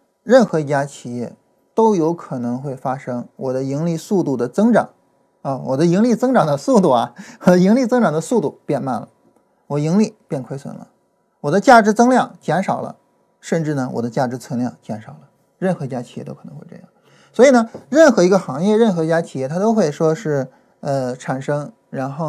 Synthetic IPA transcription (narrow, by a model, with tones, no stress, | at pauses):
ɻə˥˩nxɤ˧˥˧t͡ɕja˥t͡ɕʰi˨˩jɛ˥˩ | t̪o˥ʊjo˧˥ʊkʰɤ˨˩nɤ˧˥ŋxwe˥˩ɪfa˥ʂɤ˥ŋwɔ˨˩d̪ə˦i˧˥ŋli˥˧su˥˧t̪u˥˩d̪ə˩t͡sɤ˥ŋʈ͡ʂɑ̰˨˩˦ŋ | ə˧wɔ̰˨˩d̪ə˦i˧˥ŋli˥˩t͡sɤ˥ŋʈ͡ʂɑ˨˩ŋd̪ə˦su˥˧t̪u˥˩ɐ˩wɔ˨˩d̪ə˦i˧˥ŋli˥˩t͡sɤ˥ŋʈ͡ʂɑ˨˩ŋd̪ə˧˦su˥˧t̪u˥˩pjɛ˥˧nma̰˥˩nlə̰˩ | wɔ˨˩i˧˥ŋli˥˩pjɛ˥˩nkʰwe˥ɪswə̰˧˩nlə̰˦ | wɔ˨˩d̪ə˦t͡ɕja˥˩ʈ͡ʂɻ̩˧˥t͡sɤ˥ŋljɑ˥˩ŋt͡ɕjɛ˧˥nʂɑ˨˩ʊlə̰˦ | ʂə˥˧nʈ͡ʂɻ̩˥˩nə˩wɔ̰˨˩d̪ə˦t͡ɕja˥˩ʈ͡ʂɻ̩˧˥t͡sʰɤ˧˥ŋljɑ˥˩ŋt͡ɕjɛ˧˥nʂɑ˨˩ʊlə˦ | ɻə˥˩nxɤ˧˥i˧t͡ɕja˥t͡ɕʰjɛ̰˥t̪o˥ɤ˨˩nɤ˧˥xe˥˧ɤ̰˥˧jɑ̰˥˩ŋ | swɔ˧˥i˨˩nə˧ɻə˥˩nxɤ˧˥i˧˥ɡə˧xɑ˧˥ŋjɛ˥˧ɻə˥˩nxɤ˧˥˧t͡ɕja˥t͡ɕʰi˨˩jɛ˥˩t̪ʰa˥t̪o˥ʊxwe˥˩ɪʂwɔ˥ʂɻ̩˥˩ | ə˧ʈ͡ʂʰa˨˩nʂɤ˥ŋ | ɻa˧˥nxo˥˩ʊ